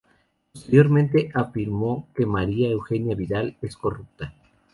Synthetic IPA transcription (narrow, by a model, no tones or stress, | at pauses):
po̞st̪̞eɾjo̞ɾmẽnt̪̬e̞ʔafiɾmo̞ke̞maɾiae̞wxe̞njaβiðale̞sko̞rup̚t̪a